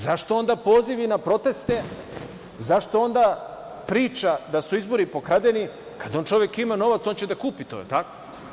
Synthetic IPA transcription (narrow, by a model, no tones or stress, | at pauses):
zaʃt̪o̞o̞nd̪apo̞ːziʋinapɾo̞t̪e̞st̪e̞ | zaʃt̪o̞o̞nd̪a | pɾiːt͡ʃad̪asuizbo̞ɾipo̞kɾad̪eni | kad̪o̞ːnt͡ʃo̞ʋjekimano̞ʋat̪so̞nt͡ɕed̪akuːpit̪ojḛlt̪ako